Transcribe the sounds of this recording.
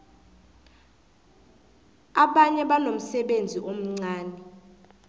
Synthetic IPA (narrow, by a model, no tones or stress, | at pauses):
aɓaɲɛɓanom̩sɛɓend͡zʱiʔom̩ŋ͡ǀaːnɛ